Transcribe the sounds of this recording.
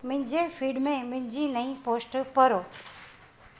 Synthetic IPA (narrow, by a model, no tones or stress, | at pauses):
mʊ̃ɦɪ̃ɲ̆d͡ʑefiːɖmẽmɪ̃ɪ̃d͡ʑinɐĩpoːsʈpɐɾoː